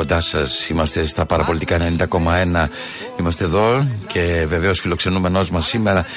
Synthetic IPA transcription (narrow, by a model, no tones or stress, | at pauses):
o̞nd̪ɐsɐsimɐst̪e̞st̪ɐpɐɾɐpolit̪ikɐenenind̪ɐko̞mɐe̞nɐ | imɐst̪e̞ːðo̞cʰe̞ve̞ve̞osfilo̞kse̞nume̞no̞zmɐsːime̞ɾɐ